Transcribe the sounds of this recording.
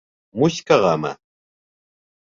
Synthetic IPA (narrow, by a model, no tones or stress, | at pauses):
mʊʃkɑɢɑma̰